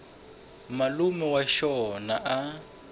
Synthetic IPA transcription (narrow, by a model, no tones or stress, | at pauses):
malumɛwaʃɔnaʔa